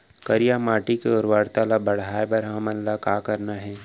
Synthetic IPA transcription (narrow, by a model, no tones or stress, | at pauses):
kɐɾijamaːʈikeʊɾʋaːɽt̪alabɐɽ̤aːebɐɾɦɐmɐnlakaːkɐɾnaɦɛː